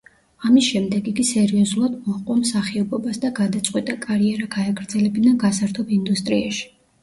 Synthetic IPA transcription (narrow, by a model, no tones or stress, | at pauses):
amisʃɛmd̪ɛɡikʼisɛɾiɔzulˠad̪mɔaqʼwamsaχiɔbɔbasd̪aɡad̪at̪sʼqʼwit̪ʼakʼaɾiɛɾaɡaːɡɾd̪zɛlɛbinaɡasaɾt̪ʰɔbind̪ust̪ʼɾiaʃi̥